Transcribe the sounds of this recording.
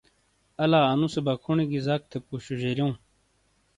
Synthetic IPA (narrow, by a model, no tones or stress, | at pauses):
ɐlaːanũsebɐkʰuɳiɡizak̚t̪ʰepuɕuʑeɾjõː